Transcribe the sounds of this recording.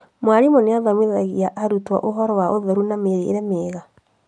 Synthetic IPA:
mwaɾimɔneaðamweðaɣiaʔaɾutwa̰ʔoɦɔɾɔwaʔoðɛɾunameɾḛːɾɛmeːɣa

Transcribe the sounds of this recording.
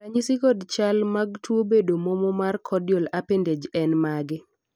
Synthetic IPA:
kaɲisikɔdt͡ʃalmaɡ̚twobedomomɔmarkʰɔdjolapended͡ʒɛnmaɡɪ

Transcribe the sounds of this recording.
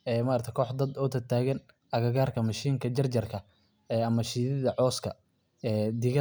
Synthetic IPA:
ɛːmɐɾt̪ʰɛkʰɔːħd̪ɐd̪ɔːt̪ʰɐt̪ʰaːɣɐn | ʔɐɣɐɣaːrkʰɐmɐʃiːŋkʰɐd͡ʒɐrt͡ʃɐrkʰɐ | ɛːɐmɐʃiːðɪðɐʕɔːskʰɐ | ɛːd̪ɪɣɐ

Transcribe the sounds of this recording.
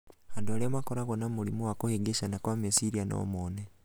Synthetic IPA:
handualemwakoɾaɣonamulimuwakoheɡeʃanakwamesiɾiano̰moːne

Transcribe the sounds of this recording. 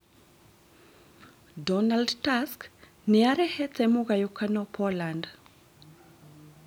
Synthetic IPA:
dɔnaldtask | niaɾɛhɛtɛmuɣajukanɔpɔland

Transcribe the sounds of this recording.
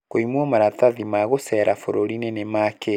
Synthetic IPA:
koimwɔmaɾataðimaɣosɛːɾafoɾoɾinenemake

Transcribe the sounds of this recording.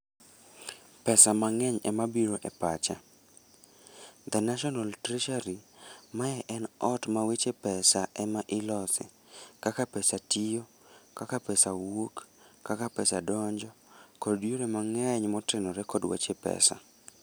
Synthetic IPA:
pɛsamaŋɛɲɛ̰mabiɾoʔɛpat͡ʃa | d̪ɛnaʃɔnaltɾɛʃaɾimaɛʔɛnɔtmawet͡ʃepɛsaʔɛmaʔɪlɔsɪ̰ | kakapɛsatijo | kakapɛsawok | kːakapɛsadɔɲd͡ʒɔkɔddjoɾɛmaŋɛɲmɔtɪnɔɾɛkɔdwa̰t͡ʃepɛ̰sa̰

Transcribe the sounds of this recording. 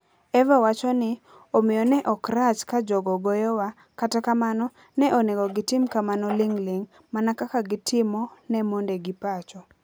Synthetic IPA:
ɛvawat͡ʃɔnɪ | omɪjɔnɛʔɔkɾat͡ʃkad͡ʒɔɡɔɡojɔwa | katakamanɔ | nɛʔoneɡɔɡɪtɪmkamanɔlɪŋlɪŋ | manakakaɡɪtʰɪmɔnɛmondeɡɪpat͡ʃɔ

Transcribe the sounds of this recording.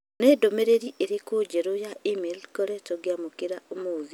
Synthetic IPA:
neːdomeɾeɾiʔeɾekod͡ʒeɾojaʔimelkoɾɛtoɡjamokeɾaʔomoði

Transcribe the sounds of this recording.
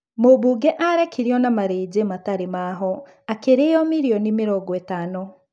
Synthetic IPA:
moβuɡɛʔaɾɛkʰiɾiɔnamaɾeːɟemataɾemaːɦɔ | akeɾejɔmiɾiɔnimeɾɔːɡɔɛtaːno

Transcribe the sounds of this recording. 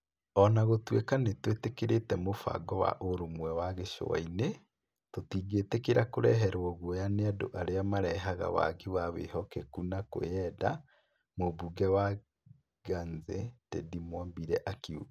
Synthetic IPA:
ɔnaɣotwekanetwetekeɾetɛmofa̰ɡɔwa̰ʔoɾomwɛwaɣeʃo̰wa̰ine | totiːɡetekeɾakoɾɛɦɛɾwɔɣwɔjaneado̰ʔaɾeamaɾɛɦaɣa̰wa̰ɡewawḛhɔkɛkunako̰jɛda | mobuɡɛwa | ɡanzetḛdimwambiɾɛʔakiu

